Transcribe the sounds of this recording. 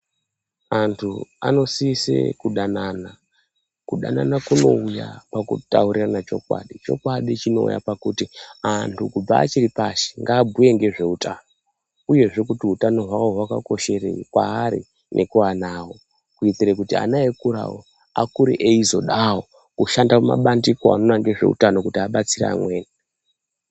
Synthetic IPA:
antʰua̰no̞siːsḛkuɗanana | kuɗa̰nanakuno̞uja̰pakṵtauɾiranat͡ʃo̞̰kwa̰ɗit͡ʃo̞̰kwaɗit͡ʃino̰ṵja̰pakutiantʰukub͡va̰ːt͡ʃiɾipaʃi̥ŋɡaːbʱuje̞ŋɡe̞ʐe̞utʰaːno | uje̞ʐe̞kutiɦutano̞ɦwawo̞ɦwaka̰ko̞ʃe̞rḛkwaːɾḭ | nʔe̞kuwanaːwo̞ | kuit͡siɾekutia̰naekuɾa̰wo | akuɾḭʔeizo̞ɗawo̞ | kuʃandaoma̰ɓandikoa̰no̞naŋɡe̞ʐe̞̰ṵtano̞kutiaɓat͡siɾa̰a̰mwe̞ːna

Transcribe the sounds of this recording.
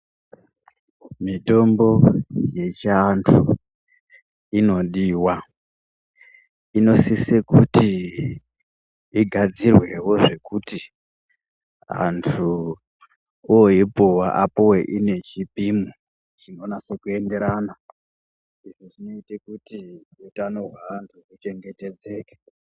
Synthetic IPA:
mito̞mbo̞je̞t͡ʃːntʰu | ino̞ɗiːwa | ino̞sisekuti | iɡʱad͡zirwe̞wo̞ʐe̞kuti | ɦa̰ntʰu | ooipowaʔa̰poweʔine̞t͡ʃipimu | t͡ʃino̞nase̞kue̞nde̞ɾaːna | iʐoʐino̞itekutiutanoɦwaːntʰukut͡ʃe̞ŋɡe̞te̞d͡ze̞ːkḁ

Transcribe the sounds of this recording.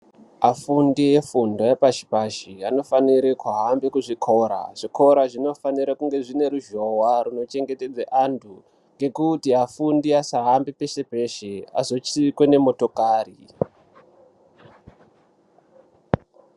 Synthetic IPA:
afundiefundoepaʃi̥paʃiano̞faniɾekuaɦambekuʐikʰo̞ɾa̰ʐ̥ikʰo̞ɾaʐino̞faniɾakuŋɡe̞ʐine̞ɾuʒo̞waɾuno̞t͡ʃe̞ŋɡe̞te̞d͡zaʔantʰu | ŋɡe̞kutiɦafundiasaɦambipesebʱe̞ʃea̰zo̞t͡ʃiikwe̞ne̞mo̞to̞kaːri

